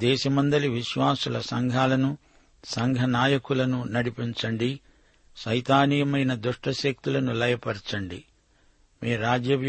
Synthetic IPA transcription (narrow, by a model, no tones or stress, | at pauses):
d̪ɛːʃɐmɐnd̪ɐliʋiʃʋaːsulɐsɐŋɡʱaːlɐnu | sɐŋɡʱɐnaːjɐkulɐnunɐɽipiɲt͡ʃɐɳɖi | ʃɐjt̪aːnijɐmɐjnɐd̪uʂʈɐʃek̚t̪ulɐnulɐjɐpɐɾt͡ʃɐɳɖi | meːɾaːd͡ʒjɐʋj